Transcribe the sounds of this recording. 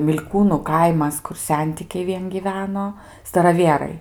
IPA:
mʲɪlʲˈkuːnuː ˈkɐɪmɐs ˈkʊr ˈsʲɛnʲtʲɪkʲɛɪ ˈʋʲiɛn ɡʲiːˈʋʲæːnoː stɐrɐˈʋʲiɛrɐɪ

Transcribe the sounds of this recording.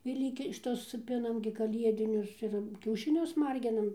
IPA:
ɪr ˈlʲiːkʲɪ ʃʲɪˈtʊs ˈpʲɪnɐm ɡʲɪ kɐˈlʲiɛdʲɪnʲʊs ɪr kʲɛʊʃʲɪˈnʲʊs ˈmɐrʲɡʲɪnɐm

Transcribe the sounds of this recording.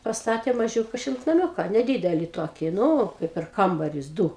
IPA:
pɐsˈtɑːtʲeː mɐˈʒʲuːkɐ ʃʲɪlˠtnɐˈmʲuːkɐ nʲɛˈdʲiːdʲɛlʲɪ ˈtoːkʲɪ ˈnʊ kɐɪ pʲɛr ˈkɐmbɐrʲʊs ˈduː

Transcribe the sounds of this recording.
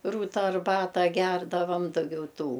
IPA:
ˈruːtɐ ɐrˈbɑːtɐ ˈɡʲɛrdɐʋɐm dɐˈɡʲɛʊ ˈtuː

